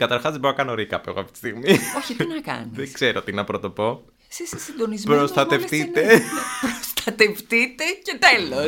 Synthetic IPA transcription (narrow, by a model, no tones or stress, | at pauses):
kɐt̪ɐɾxɐzðeboɾonɐkɐno̞ɾikɐpḛɣoɐft̪i̥t̪i̥st̪iɣmioçit̪inɐkɐ̰niðesɡseɾot̪inɐpɾot̪o̞po̞ | sisesinnd̪o̞nizpɾost̪ɐt̪e̞fθit̪epɾost̪ɐt̪e̞ft̪it̪e̞cet̪elo